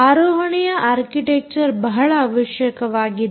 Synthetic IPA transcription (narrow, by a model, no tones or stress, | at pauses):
aːɾoːɦɐɳijɐʔaːɾkiʈek̚t͡ʃɐɾbɐɦɐɭaːʋɐʃjɐkɐʋaːɡi